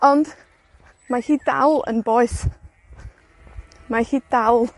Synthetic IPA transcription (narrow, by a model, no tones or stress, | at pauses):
ɔnd | mahiːda̰wlˠə̰nboːɨθ | maxiːd̥awlˠ